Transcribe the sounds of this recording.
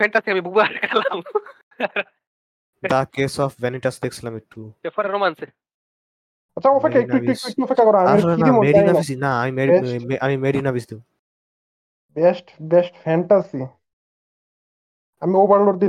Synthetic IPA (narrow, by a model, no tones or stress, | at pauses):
fɛɳʈasiamibubaɾkalam | d̪akesɔfʋɛniʈasd̪eksilamiʈʰːuefɔɾeɾomanse | ɐtːʰaɔfekʰːaekueʈuek̚ʈuekʈːuɔfekʰːakɔɾaamaiɾɔleiaimoeijnanis̬inaamimeiɛeʔamimeɖinabisd̪ĩ | bɛsʈbɛsʈfɛɳʈasi | amiobaɾloɾd̪i